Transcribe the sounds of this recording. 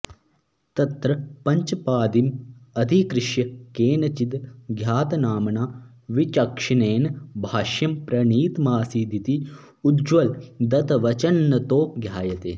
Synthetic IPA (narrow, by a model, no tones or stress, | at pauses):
t̪ɐt̪ɾɐpɐɲt͡ʃɐpaːd̪imɐd̪ʱikɾɪʃjɐkeːnɐt͡ʃit̪ɡʱjaːt̪ɐnaːmɐnaː | ʋit͡ʃɐkʂɐneːnbʱaːʃjɐmpɾɐɳiːt̪maːsiːd̪ʱit̪i | ud̪d͡ʒʋɐld̪ɐt̪ɐʋɐt͡ʃɐnːɐt̪oːɡʱjaːjɐt̪ḛː